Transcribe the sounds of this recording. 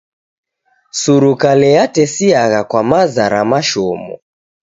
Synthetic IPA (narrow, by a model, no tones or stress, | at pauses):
suɾukalɛjatɛsiaɣakwamazaɾamaʃɔmɔ̰